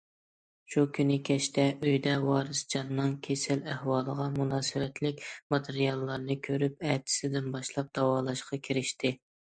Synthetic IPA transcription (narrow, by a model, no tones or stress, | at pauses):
ʃukʲʰynɪkʲʰɛʃt̪ʰɛʔøjd̪ɛwɑːɾɨsd͡ʒɑnːɨŋkʲʰesɪlæhwɑːlˠəʁɑmunɑːsɨwɛt̪ʰlɪkʲmɑt̪ʰɨɾijɑlˠːɑɾnɨkʲʰøɾyp̚ɛt̪ʰɪ̥sɪd̪ɪnbɑʃlˠɑp̚d̪̥ɑwɑːlˠɑʃqʰɑkʲʰiɾɪʃt̪ɪ